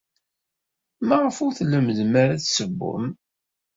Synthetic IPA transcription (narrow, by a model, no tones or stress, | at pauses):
mæʁəfʊɾθlːəməðmaɾaθsəbːʊ̰m